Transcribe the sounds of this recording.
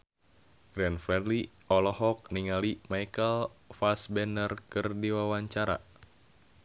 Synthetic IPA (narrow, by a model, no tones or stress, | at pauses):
ɡ̥ɾɛnfɾɛdli | ɔlɔhɔk̚niŋalimajkəlfasbɛnərkɨrdiwawaɲt͡ʃaɾa̰